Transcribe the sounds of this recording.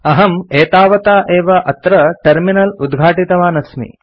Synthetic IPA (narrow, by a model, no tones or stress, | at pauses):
ɐɦɐmeːt̪aːʋɐt̪aːʔeːʋɐʔɐt̪ɾɐʈɐɾminɐlud̪ɡʱaːʈit̪ɐʋaːnɐsmḭ